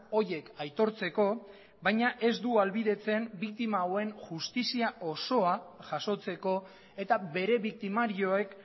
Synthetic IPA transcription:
o̞ɾje̞kajt̪o̞ɾt͡se̞ko̞ | βajɲaʔe̞zd̪ualβiðe̞t͡se̞mbik̚t̪imaowe̞nʝust̪isiao̞so̞aʝaso̞t͡se̞ko̞ | e̞t̪aβe̞ɾe̞βik̚t̪imaɾio̞e̞k

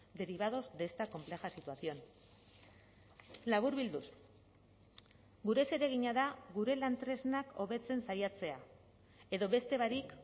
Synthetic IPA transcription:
d̪e̞ɾiβ̞að̞o̞zd̪e̞st̪ako̞mple̞xasit̪uasio̞n | laβ̞uɾβild̪us | ɡuɾe̞se̞ɾe̞ɣ̞iɲaðaɣuɾe̞lant̪ɾe̞znako̞βe̞t͡se̞nsajat͡se̞a | e̞ðo̞βe̞st̪e̞βaɾik

